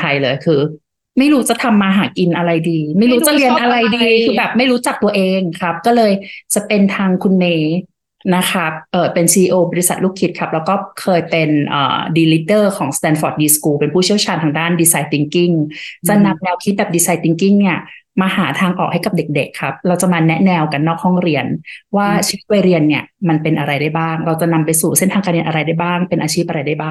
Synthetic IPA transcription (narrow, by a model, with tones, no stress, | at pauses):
t̪ʰa˧jlɤː˧jkʰɯː˧ | ma˥˩jɾuː˦˥t͡ɕa˨˩t̪ʰa˧mːaː˧ɦaː˩˦ki˧nʔa˧ɾa˧jdiː˧ma˥˩jɾuː˦˥t͡ɕa˨˩li˧ənʔa˧ɾa˧jdiː˧kʰɯː˧bɛː˨˩p̚ma˥˩jɾuː˦˥t͡ɕa˨˩k̚t̪u˧ɐʔeː˧ŋkʰa˦˥p̚kɔː˥˩lɤː˧jt͡ɕa˨˩pe˧nt̪ʰaː˧ŋkʰu˧nmeː˧˥ | na˦˥kʰa˦˥p̚ʔɤː˨˩pe˧nsiː˧iː˧ʔoː˧bɔ˧ɾi˦˥sa˨˩t̪̚luː˥˩kʰːi˦˥kʰa˦˥p̚lɛː˦˥wkɔː˥˩kʰɤː˧jpe˧nʔɤ̰ː˨˩diː˧li˦˥dɤː˥˩kʰɔː˩˦ŋst̪ɛː˧nfɔː˧˩t̪̚diː˧skuː˧pe˧npʰuː˥˩t͡ɕʰi˥˩əwt͡ɕʰaː˧nt̪ʰa˧ŋdaː˥˩ndiː˧saː˧jt̪i˧ŋki˥˩ŋt͡ɕa˨˩na˧mnɛː˧wkʰi˦˥bɛː˨˩diː˧saː˧jt̪i˧ŋki˥˩ŋni˥˩ɐmaː˧haː˩˦t̪ʰaː˧ŋʔɔ̰ː˨˩k̚ha˥˩jka˨˩p̚de˨˩k̚de˨˩kʰːa˦˥p̚ɾa˧wt͡ɕa˨˩maː˧nɛ˦˥ʔnɛː˧wka˧nːɔː˥˩k̚hɔ˥˩ŋɾi˧ənwaː˥˩t͡ɕʰi˧˦i˦˥t̪̚wa˧ɾi˧ənːi˥˩ɐma˧npe˧nʔa˧ɾa˧jdaː˥˩jbaː˥˩ŋɾa˧wt͡ɕa˨˩na˧mpa˧jsuː˨˩se˥˩nt̪ʰa˧ŋkaː˧nɾi˧nʔa˧ɾa˧jda˥˩jbaː˥˩ŋpe˧nʔaː˧t͡ɕʰiː˥˩p̚ʔa˧ɾa˧jda˥˩jbaː˥˩ŋ